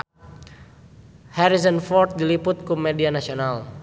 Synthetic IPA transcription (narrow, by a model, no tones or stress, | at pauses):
hɛɾizɔnfɔrt̪̚dilipʊt̪̚kumedianasional